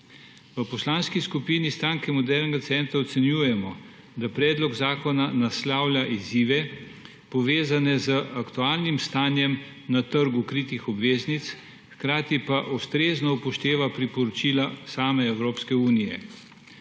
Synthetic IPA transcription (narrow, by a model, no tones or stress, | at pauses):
ʋəpɔslaːnskiskupiːnist̪ɾaːŋkɛmɔd̪ɛɾnɛɡat̪sɛnt̪ɾaɔt̪sɛnjuːjɛmɔ | d̪apɾɛːd̪lɔɡzaːkɔnanaslaːwlʲjaʔiziːʋɛ | pɔʋeːzanɛzəakt̪uaːlnimst̪aːnjɛm | nat̪əɾɡukɾiːt̪ixɔbʋeːznit̪s | xkɾaːt̪ipaʔɔst̪ɾeːznɔpɔʃt̪eːʋapɾipɔɾɔt͡ʃiːlasaːmɛɛwɾoːpskɛuːnijɛ̰